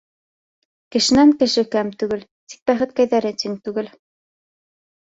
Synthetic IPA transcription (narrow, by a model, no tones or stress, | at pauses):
kɘ̆ʃɘ̆næŋkɘ̆ʃɘkæmt̪ʉɡɘlt̪i̥k̚bæχɘt̪kæjðæɾɘt̪iŋt̪ʉɡɘl